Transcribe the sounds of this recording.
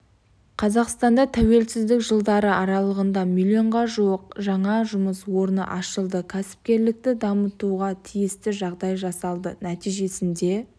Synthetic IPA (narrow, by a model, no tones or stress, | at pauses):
qʰɑzɑqst̪ɑnd̪ɑt̪ʰæwe̞lsɪzd̪ɪkʒəlˠd̪ɑɾəɑɾɑlˠəʁənd̪ɑmilʲio̞ɴʁɑʒuəqʒɑɴɑʒʊməswo̞ɾnə̰ʔɑʃəlˠd̪əkʲʰæsɪ̥p̚kʲe̞ɾlɪk̚t̪ɪd̪ɑmət̪uʁɑt̪ʰijɪst̪ɪʒɑʁd̪ɑjʒɑsɑlˠd̪ənæt̪ijʒe̞sɪnd̪e̞